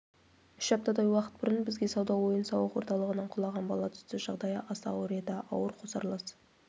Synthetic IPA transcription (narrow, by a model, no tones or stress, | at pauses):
ʏʃɑp̚t̪ɑd̪ɑjwɑqə̥t̪̚bɪɾənbɪzɡʲe̞sɑwd̪ɑwo̞jənsɑwəqwo̞ɾt̪ɑlˠəʁənɑɴqʰʊlˠɑʁɑnbɑlˠɑt̪ʰʏ̥st̪ɪʒ̥ɑʁd̪ɑjəʔɑst̪ɑ̰oɾeed̪ɑʔɑ̰wəɾqʰosɑɾlˠɑs